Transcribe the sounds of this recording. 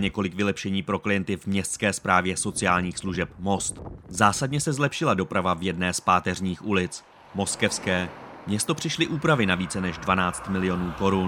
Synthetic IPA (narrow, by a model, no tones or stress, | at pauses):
ɲɛko̞lɪkvɪlɛpʃɛɲiːpɾo̞klɪjɛnt̪ɪvmɲɛst̪t͡skɛːspɾaːvjɛso̞t͡sɪaːlɲiːxsluʒɛp̚mo̞st̪zaːsadɲɛsɛzlɛpʃɪlado̞pɾavavjɛdnɛːspaːt̪ɛrɲiːxulɪt͡s | mo̞skɛfskɛːmɲɛst̪o̞pr̝̥ɪʃlɪʔuːpɾavɪnaviːt͡sɛnɛʒdvanaːt͡st̪mɪlɪjo̞nuːko̞ɾun